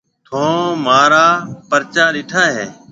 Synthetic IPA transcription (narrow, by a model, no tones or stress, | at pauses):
t̪ʰõːmaːɾaːpəɾt͡ʃaːɾɪʈʰaːɦeː